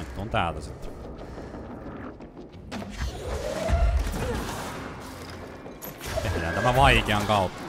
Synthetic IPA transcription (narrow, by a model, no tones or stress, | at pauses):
it̪ːoːnt̪æːlt̪æsit̪ | t̪ehnænt̪æmæʋɑikeɑŋkɑut̪